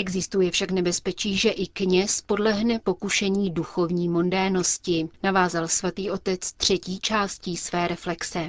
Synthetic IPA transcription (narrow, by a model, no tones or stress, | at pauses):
ʔɛɡzɪst̪ujɛfʃaknɛbɛspɛt͡ʃiːʒɛʔɪkɲɛspo̞dlɛɦnɛpo̞kuʃɛɲiːduxo̞vɲiːmo̞ndɛɾno̞scɪnavaːzalsvat̪iːʔo̞t̪ɛt͡st̪r̝̥ɛciːt͡ʃaːscisvɛːɾɛflɛksɛ